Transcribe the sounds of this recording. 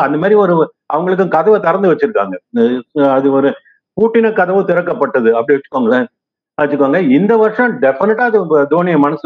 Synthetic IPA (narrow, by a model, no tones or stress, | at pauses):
ɐnd̪ɐmaːd̪ɾiɔɾɯ | ʔɐʋɐŋɡɐɭɯk̬ːɯ̃kɐðɐʋɯt̪ɐɾɐnd̪ɯʋɐt͡ʃːɯɾɯkːa̰ːŋɡɐ | ɐðɯɔɾɯ | puːʈːɪnɐkɐðɐʋɯt̪ɪɾɐkːɐpːɐʈːɐðɯɐpːɐɽiʋɐt͡ʃːɯkːoaːŋɡɐɭːɐ | ʋɐt͡ʃːɯkːʋaːŋɡɐɪnd̪ɐʋɐɾʂɐ̃ɖɛfɪnɪʈːaːɐðɯd̪oːnɪjɐmɐnɐs